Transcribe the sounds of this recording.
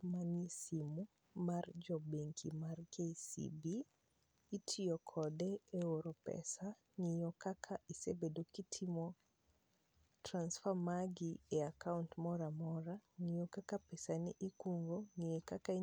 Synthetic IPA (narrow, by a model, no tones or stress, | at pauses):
manisimu | mard͡ʒɔbeŋkʰḭmarkesḭbiː | tʰiɔkʰɔdɛeoɾopɛ̰sa | ŋijɔkakʰaʔisebedokitʰimɔ | transfamaɡieakauntmɔɾamɔɾaŋijokakapɛsanḭʔikuŋɡoŋiɛkaka